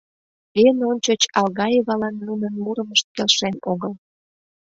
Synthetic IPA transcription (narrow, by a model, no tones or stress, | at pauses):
enonʲt͡ɕot͡ɕɑlɣɑjeβɑlɑnːunənmuɾəməʃt̪̚kelʃenoɣəl